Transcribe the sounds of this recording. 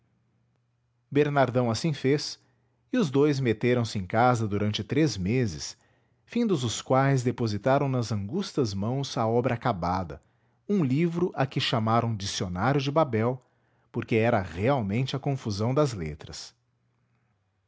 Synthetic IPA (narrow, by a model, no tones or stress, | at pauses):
beɾnaɾd̪ɐ̃w̃asĩfes | ɪʊzd̪ojzmet̪eɾɐ̃w̃sɪẽkazɐd̪uɾɐ̃nt͡ʃɪt̪ɾezmezɪ̰s | fĩd̪ʊzʊskwajzd̪epozit̪aɾɐ̃w̃nɐzɐ̃ŋɡust̪ɐzmɐ̃w̃zaɔbɾʔɐakabad̪ɐ̰ | ũlivɾʊʔakɪʃamaɾɐ̃w̃d͡ʒisionaɾjʊd͡ʒɪbabɛw | poɾkeɛɾɐʁeawmẽnt͡ʃɪɐkõfuzɐ̃w̃d̪ɐzlet̪ɾɐs